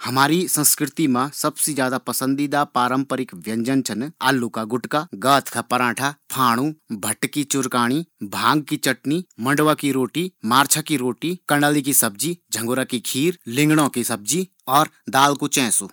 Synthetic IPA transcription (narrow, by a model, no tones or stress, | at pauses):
hɐmaːɾisɐ̃nskɾɪt̪imãsɐbsed͡ʒjaːd̪apɐsə̃nd̪id̪apaːɾə̃mpəɾɪkʋjɐ̃ɲd͡ʒənt͡ʃʰɐnaːlːukaɡʊʈkaɡaːt̪ʰkapɐɾãːʈʰapʰaːɽ̃ũbʱɐʈkit͡ʃʊɾkaːɽ̃ibʱãːŋɡ̚kit͡ʃɐʈnimɐ̃ɳɖʋakiɾoːʈimaːɾt͡ʃʰakiɾoːʈikɐ̃ɳɖaːlikisɐb̚d͡ʒid͡ʒʱɐ̃ŋɡoɾakikʰiːɾlɪ̃ŋɡɽ̃õkisɐb̚d͡ʒi | ɔːɾd̪aːlkut͡ʃɛ̃ːsu